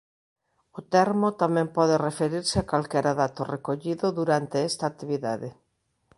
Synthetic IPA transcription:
ʊt̪ɛɾmot̪amɛ̃mpɔðerefeɾiɾseakalkɛɾaðat̪orekoʎiðʊðuɾant̪eɛst̪aːt̪ːiβiða̰ðe

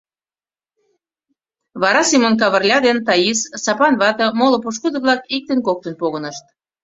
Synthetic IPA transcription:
βɑɾɑsimonk̬ɑβərlʲɑd̪ent̪ɑjissɑpɑnβɑt̪ɤ̆molŏpuʃ̬kud̪ə̆βlɑkik̚t̪ənkok̚t̪ənpoɣə̆nəʃt̪̚

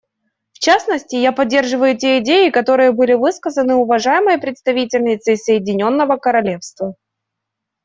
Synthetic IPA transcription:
ft͡ɕasnəsʲtʲɪjapɐdʲːe̞rʐɨvəjʊtʲeɪdʲejɪkɐt̪o̞ɾɨjəbɨlʲɪvɨskəzənɨʊvɐʐajɪməjəpɾʲɪt̪st̪ɐvʲitʲɪlʲnʲɪt̪sɨɪsəjɪdʲɪnʲo̞nːəvəkəɾɐlʲe̞fst̪və

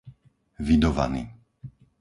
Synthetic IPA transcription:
vid̪ɔʋa̰nḭː

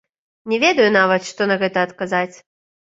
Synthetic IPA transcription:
nʲɛvʲɛd̪ɐjunavɐt̪ʂt̪ɔnɐɣɛt̪ɐːt̪kazat͡sʲ

